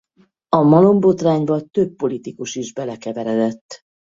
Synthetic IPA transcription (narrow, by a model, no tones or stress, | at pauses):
ɒmɒlo̞mbo̞t̪raːɲbɒt̪ø̞pːo̞lit̪ikuʃiʒbɛlɛkɛvɛɾɛd̪ɛt̪ː